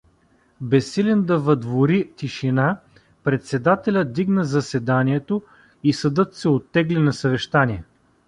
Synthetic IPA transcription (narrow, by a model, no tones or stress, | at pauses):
bɛsːilʲɛnd̪ɐvɐd̪voɾit̪iʃina | pɾɛt̪sɛd̪at̪ɛlʲət̪̚d̪iɡnəzɐsɛd̪aniɛt̪o | isɐd̪ɤt̪sɛot̪ːɛɡlinɐsɐvɛʃt̪aniɛ